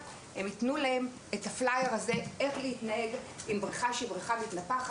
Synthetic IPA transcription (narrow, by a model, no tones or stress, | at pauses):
hemitnulaem | etaflajeʁaze̞e̞χlehitnahe̞ɡimbʁiχaʃibʁiχamitnapaχ